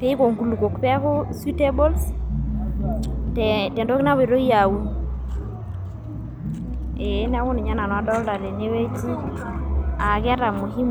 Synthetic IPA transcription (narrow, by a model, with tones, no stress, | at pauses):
pe˦i˦ko˨ŋɡu˨lu˨ko˨kpɛ˦ko˦su˦te˦bo˦ls | tɛ˨tɛ˨ndo˦ki˦na˦we˨ɾo˦i˦a˨wu˨ | e˨˦n˦a˦wʊ˦ni˨ɲa˦na˨nwa˦dɔ˦lda˨ɾe˨ne˦we˦t͡ʃi˦ | a˨kɛ˦ta˨mo˨ki˦m